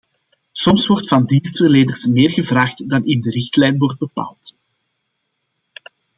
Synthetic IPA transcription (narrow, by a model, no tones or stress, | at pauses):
sɔmswɔrtfɑndinstvərleːdərsmeːrɣəvraːxtdɑnɪndəɾɪxtlɛjnʋɔrd̚bəpa̰ːlˠt